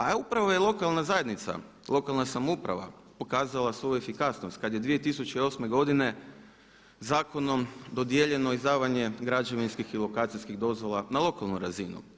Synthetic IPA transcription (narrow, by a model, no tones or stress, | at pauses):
aupɾaʋo̞jelˠo̞kalˠnazajed̪nit̪sa̰ | lˠo̞kalˠnasamoupɾa̰ʋa̰ | po̞kaːzalˠasʋo̞jue̞fikasnost̪̚kad̪je̞d̪ʋije̞t̪isut͡ɕeio̞sme̞ɡo̞d̪ine̞ | zaːko̞no̞md̪o̞d̪je̞ʎe̞noizd̪aːʋaɲe̞ɡɾad͡ʒeʋinskixilo̞kaːt̪sijskiɣd̪o̞zʋo̞lˠanalˠo̞kalˠnuɾazinṵ